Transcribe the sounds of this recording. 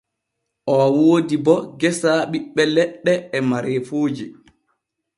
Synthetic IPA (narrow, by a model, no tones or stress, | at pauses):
ʔɔwooːdibɔɡɛsaɓiɓːɛlɛɗːɛːmaɾeːfoːd͡ʒi